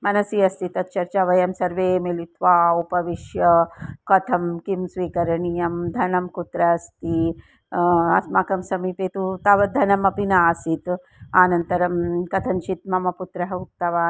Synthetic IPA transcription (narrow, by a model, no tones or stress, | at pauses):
mɐnɐsiɐst̪it̪ɐt̪̚t͡ʃɐɾt͡ʃaʋɐjɐmsɐɾʋeːmelit̪ʰʋaːupɐʋiʃjɐkɐt̪ʰɐmkimsʋiːkɐɾɐɳijɐmd̪ʱɐnɐmkut̪ɾɐːst̪i | ɐsmakɐmsɐmipeːt̪ut̪ɐʋɐd̪ʱɐnɐmɐpinaːsit̪ | aːnɐnt̪ɐɾɐmkɐt̪ʰɐnt͡ʃit̪̚mɐmɐput̪ɾɐɦɐuk̚t̪ɐʋaː